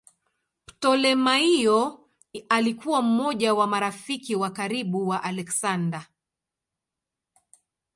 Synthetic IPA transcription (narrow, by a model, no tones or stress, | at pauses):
ptɔlɛmaijɔ | alikuwam̩mɔʄawamaɾafikiwakaɾiɓuwaʔalɛksanda